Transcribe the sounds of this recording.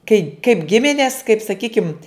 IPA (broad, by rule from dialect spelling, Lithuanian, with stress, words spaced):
kɐɪ kɐɪp ˈɡʲɪmʲɪnʲeːs kɐɪp sɐˈkʲiːkʲɪmt